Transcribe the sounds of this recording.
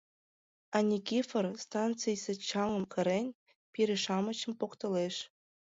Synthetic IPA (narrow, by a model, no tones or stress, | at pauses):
ɑnʲikʲifɤrst̪ɑnt͡sɨjsĕt͡ɕɑlɤ̆mkɤ̆ɾenʲ | pʲiɾʲɘʃɑmɤ̆t͡ɕə̆mpokt̪ɤleʂ